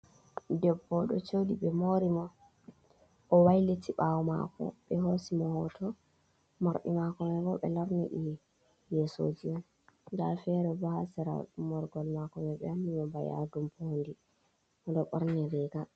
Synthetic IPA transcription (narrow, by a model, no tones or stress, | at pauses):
dɛbːɔɗɔ̰t͡ʃodiɓɛmoɾimɔ | ʔɔwajlitʰiɓawuma̰kɔ̰ɓɛhosimɔhɔtʰɔ | maɾɓimakɔmɛɡɔɓɛ̰laɾnḭɗi | jɛso̰d͡ʒiɔn | ɡafɛɾɛbahasɛɾa̰umɔɾɡɔlmakɔmɛɓɛ̰hamimɔbaja̰dumpondi | ɔdɔɓɔɾnɛɾɛɡa